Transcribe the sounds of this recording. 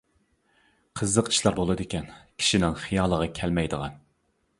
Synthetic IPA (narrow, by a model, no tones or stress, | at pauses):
qʰəzːəqi̥ʃlˠɑɾbolˠɨd̪ɪkʲɛnkʲʰi̥ʃinɪŋχijɑːlˠəʁɑkʲʰɛlmɛjd̪əʁɑ̰n